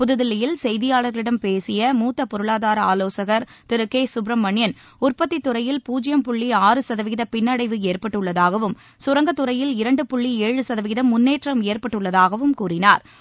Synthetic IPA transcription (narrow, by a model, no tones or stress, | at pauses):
pʊðɯðɪlɐjɪlsɛjðɪjaːɭɐɾɣɐɭɪɽɐmpeːsɪjɐmuːt̪ːɐpːɔɾɯɭaːðaːɾɐaːloːsɐɣɐɾt̪ɪɾɯkːeːsʊbɾɐmːɐɳɪjɐn | ʊrpɐt̪ːit̪ːɯɾɐjɪlpuːd͡ʒɪjɐmpʊɭːiaːrɯsɐðɐʋɪɣɪðɐpɪnːɐɽɐɪʋɯeːrpɐʈːɯɭːɐðaːɣɐʋɯm | sʊɾɐŋɡɐt̪ːɯɾɐjɪlɪɾɐɳɖɯpʊɭːieːɻɯsɐðɐʋɪɣɪðɐmːʊnːeːʈrɐmeːrpɐʈːɯɭːɐðaːɣɐʋɯmkuːrɪnaːɾ